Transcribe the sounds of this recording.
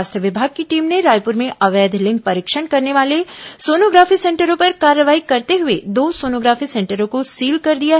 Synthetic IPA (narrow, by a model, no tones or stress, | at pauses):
ast̪əʋɪbʱaːɡ̚kiʈiːmneɾaːjpʊɾmẽʔɐʋɛːd̪ʱlɪ̃ŋɡ̚pɐɾɪkʃəɳkɐɾneʋaːlesoːnoːɡɾaːfisɛ̃ːɳʈəɾõpɐɾkaːɾːəʋaːikɐɾt̪eɦʊed̪oːsoːnoːɡɾaːfisɛ̃ɳʈəɾõkosiːlkɐɾd̪ijaɦɛ